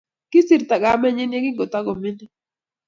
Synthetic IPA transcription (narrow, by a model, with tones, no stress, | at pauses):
kɪ˦sɪ˨ɾt̪a˨ɡa˨˦mɛ˦˨ɲɪ˦nje˦ɡɪ˦ŋɡo˨t̪a˦ɡo˨mɪ˦nɪ˦